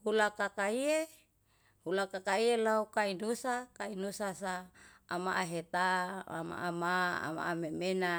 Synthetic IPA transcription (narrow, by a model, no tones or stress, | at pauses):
hulakakaie | hulakakaielaukainusakainusasaːma̰ʔaɦet̪aa̰ma̰ʔamaa̰ma̰ʔamemena